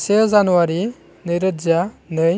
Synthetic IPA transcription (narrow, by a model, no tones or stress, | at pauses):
sezanuwaɾi | nɯjɾəzanɯj